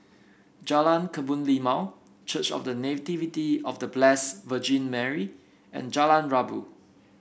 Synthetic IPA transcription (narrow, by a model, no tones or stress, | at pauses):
d͡ʒalãnkʰəbũnlima | t͡ʃət͡ʃɔ̰fdənetivitiɔfdəblɛsvəd͡ʒĩnmɛɹi | ʔɛ̰̃nd͡ʒalãnɹabṵ